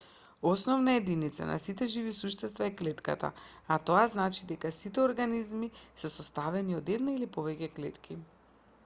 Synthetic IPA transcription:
ɔsnɔvnaɛd̪init̪sa̰nʔa̰sit̪ɛʒivisuʃt̪ɛst̪vaɛklɛt̪ka̰t̪a̰at̪oaznat͡ʃid̪ɛkasit̪ɛoɾɡanizmisɛsɔst̪avɛniɔd̪ɛd̪nailipɔvɛcɛklɛt̪kʰi

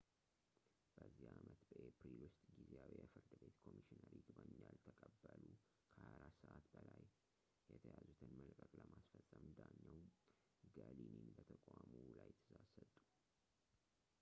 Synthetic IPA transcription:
b̥əzːihamət̪bəʔepɾilwʊst̪ʼɡizeawijɛfɨɾd̪ɨbe̞t̪kʰo̞miʃinəɾiɡɨbaɲjalt̪ʰəkʼəbːəlu | kʰəhaɾasəʔat̪bəlaj | jɛt̪ʰəjazut̪ʰɨnməlkʼəkʼləmasfəsʼəmd̪aɲːɛw | ɡalininbət̪ʰəkʼamulajt̪ʰɨ̥zasət̪ʼːu̥

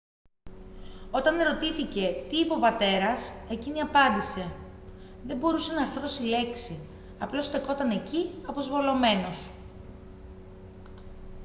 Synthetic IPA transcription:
o̞t̪ɐne̞ɾo̞t̪iθice̞t̪iːpo̞pɐt̪e̞ɾɐse̞ciniɐpɐnd̪ise̞ | ðe̞mbo̞ɾuse̞nɐːɾθɾo̞sile̞ksi | ɐplo̞st̪e̞ko̞t̪ɐne̞ciɐpo̞zvo̞lo̞me̞no̞s

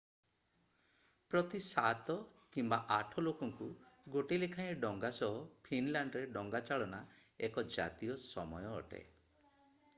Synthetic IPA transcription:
pɾɔt̪isat̪ɔ | kimbaʔaʈʰɔlokɔŋku | ɡoʈilekʰaj̃ɖɔŋɡasɔɦɔpʰinlaɳɖɾeɖɔŋɡat͡ʃaɭɔna | ekɔd͡ʒa̰t̪iɔsɔmɔjɔ̰ːʈḛ

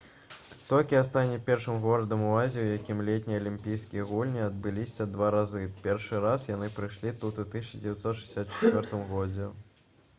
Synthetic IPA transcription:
t̪ɔlʲkʲiast̪anʲɛpʲɛrʂɨmɣɔɾɐd̪ɐmuazʲiwjakʲimlʲet̪ʲnʲijɐlʲimʲpʲijskʲijɐɣulʲnʲiɐd̪̚bɨlʲisʲɐd̪vaɾazɨpʲɛrʂɨɾasjanɨpɾɨjʂlʲit̪ut̪ut̪isʲt͡ʃɐd͡zʲevʲɛt̪sɔt̪ʃɨ̥zʲsʲat̪t͡ʂɛ̥t͡sʲvʲɔrt̪ɨmɣɔd͡zʲɛ

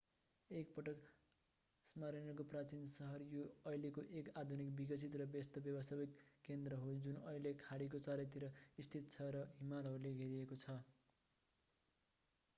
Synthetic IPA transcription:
ek̚pʌʈʌk | smaɾʌnʌkoprat͡sinsʌɦʌrjoʌjlekoʔekad̪ʱunikbiɡʌt͡sʰit̪rʌbest̪ʌbjʌbʌsabikːend̪rʌɦod͡zunʌilekʰaɽik̬ot͡saɾʌt̪̬iɾʌist̪ʰit̪t͡sʰʌɾʌɦimalʌɾuleɡʱeɾiekot͡sʰʌ

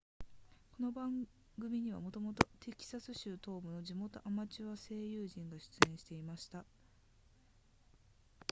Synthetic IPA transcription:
ko̞no̞bãŋ | ɡɯ̟mʲiɲ̟iβ̞a̰mo̞t̪o̞mo̞t̪o̞t̪e̞kʲi̥sasɨɕɨːt̪o̞ːbɯ̟no̞ʑimo̞t̪o̞ʔamat͡ɕiβase̞ːjɯːʑĩŋɡaɕɨ̥t͡sɨẽ̞ɕi̥t̪e̞imaɕi̥t̪a

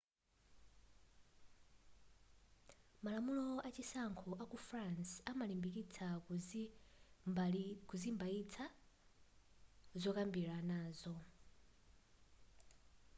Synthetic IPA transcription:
malamulɔat͡ʃisaŋkʰɔʔakufransamalimbik̬it͡sʰa | kuzimbait͡sʰa | zɔkambiɾanaːzɔ

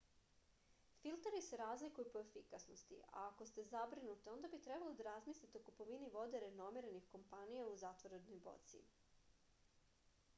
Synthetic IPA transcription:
filˠt̪eɾise̞ɾaːzlikujupo̞efikasnost̪ḭa̰ːko̞st̪e̞zabɾinut̪io̞nd̪abit̪ɾe̞balˠod̪aɾazmislit̪eokupoʋiniʋo̞d̪e̞ɾeno̞miɾanixko̞mpanijauzat̪ʋoɾed̪nojbo̞̰t̪sḭ

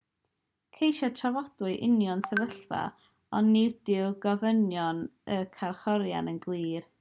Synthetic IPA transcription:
kʰejʃatʰravɔdʊɨʔɪnjɔnsɛvəɬva̰ | ɔnːivdɪwɡɔvənjɔnəkʰarχɔɾja̰nənɡlˠiːr

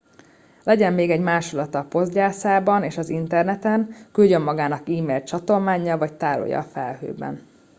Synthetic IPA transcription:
lɛɟɛmːeːɡɛɟmaːʃulɒt̪ɒːpo̞zd̪ɟaːsaːbɒneːʃɒzint̪ɛrnɛt̪ɛnkylɟø̞mːɒɡaːnɒkiːmeːlt͡ʃɒt̪o̞lmaːɲːɒlvɒct̪aːɾo̰jɒ̰fɛlhø̰ːbɛ̰n

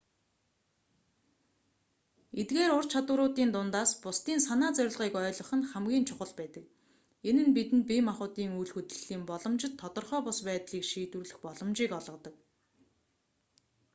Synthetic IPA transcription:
et̪ɡeːɾʊrt͡ɕʰat̪ʊːɾʊːt̪iːnt̪ʊnt̪aːspʊst̪iːnsanaːt͡sœɾ̆ʲɮʁiːkœːɮɞ̆χə̆nχæmɡʲiːnt͡ɕʰʊχə̆ɮpæːt̪ə̆k | enɘ̆npit̪ɘ̆n̚pʲimaχʊːt̪iːŋujɮxut̪ɘ̆ɮ̥iːmpɔɮɞ̆mt͡ɕɪ̆t̪ʰːɔt̪ɞ̆rχœːpʊspæːt̪ɮiːkʃiːt̪wŭrɮɘ̆xpɔɮɞ̆mt͡ɕiːkɔɮʁɞ̆t̪ɞ̆k̚

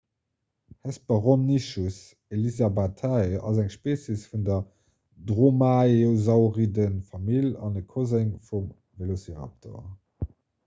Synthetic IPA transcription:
hɛspəʁomniʃus | elizabatʰaɑ̰zæŋʃpeːsisfundɐ | dʁomaeozɑʊʁidənfɑmilɑnəkʰozeŋfum | velosiʁa̰tʰo̰

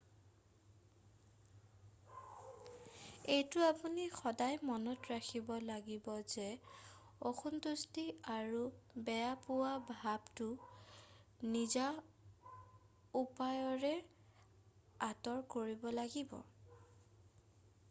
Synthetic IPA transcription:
ejtʊapunixɔdajmɔnɔtɹakʰibɔlaɡibɔzɛ | oxʰuntustiaɹubɛjapʊwabʱabtʊ | niza | upajɔɹɛ | atɔɹkoɹibɔlaɡibɔ̰

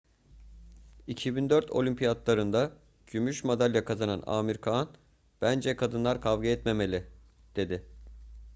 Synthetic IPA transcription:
icʰibind̪øɾt̪ʰo̞̰lʲympʰijad̪lˠaɾɯnd̪a | ɟ̥ymyʃmad̪alʲjakʰazana̰na̰ːmiɾkʰan | b̥ænd͡ʒɛkʰad̪ɯnlˠaɾkʰavɡeɛt̪me̞me̞lʲɪ | d̪̥e̞d̪ɪ

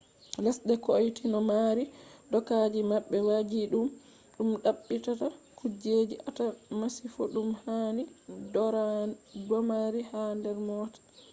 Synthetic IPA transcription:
lɛsɗɛkojtinɔmaɾidɔkad͡ʒimaɓːɛwad͡ʒiɗum | ɗumɗaɓːitatakud͡ʒed͡ʒiʔatamasifoɗumhani | dɔmaɾihandɛɾmɔːtḁ

